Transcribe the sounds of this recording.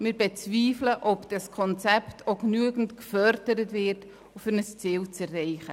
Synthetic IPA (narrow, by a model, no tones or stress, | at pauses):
mɪːɾbet͡sviːfləʔɔpd̥ɑskʰɔnt͡sɛptʰoknyəɡn̩tkfœɾdəɾətvɪːɾt | fʏɾnəst͡siːlt͡sɛrːɛɪχə